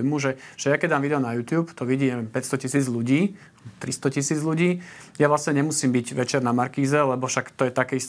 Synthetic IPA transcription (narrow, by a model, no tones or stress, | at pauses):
jmuʒɛʒ̥ɛjakɛɟ̪aːmʋid̪ɛɔnajuːt̪juːpt̪ɔʋiɟiɲɛʋɛmmpɛcst̪ɔcisiːd͡zʎuɟiː | bt̪ɾist̪ɔcisiːd͡zʎuɟiːjaʋlasɲɛɲɛmusiːmbiɟʋɛt͡ʃɛɾnamaɾkiːzɛlɛbɔfʃakt̪ɔjɛt̪akɛist̪